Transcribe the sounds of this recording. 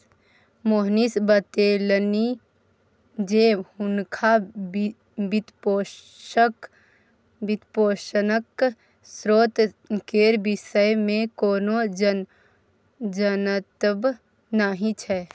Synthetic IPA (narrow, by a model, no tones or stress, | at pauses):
moɦnisbət̪eːlni | d͡ʒeʊnkʰa | bit̪po | k | bɪt̪poːʃənək | sɾoːt̪ | keːɾbɪʃəjmẽkoːno | d͡ʒənət̪əb | naɦĩt͡ʃʰɛ